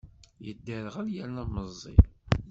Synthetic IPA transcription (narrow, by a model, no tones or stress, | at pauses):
jə̰d̪ːəɾʁæljælnæməzˤːḭ